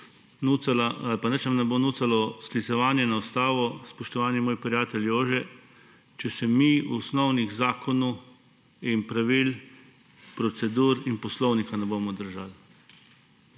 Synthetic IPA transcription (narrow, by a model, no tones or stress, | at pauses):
nualaalpanɛt͡ʃamnɛboːnuːsalɔsklisɛʋaːnjɛnaɔst̪aːʋɔspɔʃt̪ɔʋaːnjɛmoːjpɾijaːt̪ɛljoːʒɛ | t͡ʃɛsɛmiuɔsnɔwniɣzaːkʰɔnu | inpɾaʋil | pɾɔt̪sɛd̪uːɾinpɔslɔwnikanɛboːmɔd̪əɾʒal